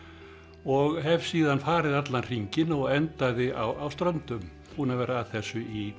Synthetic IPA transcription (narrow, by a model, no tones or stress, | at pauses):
ɔɣɦɛv̥siːðanfaːɾɪðat̪lanr̥iɲcɪnɔɣɛnt̪aðɪawawst̪ɾœnt̪ʏm | pʰuːnavɛːɾaːðθɛsːʏi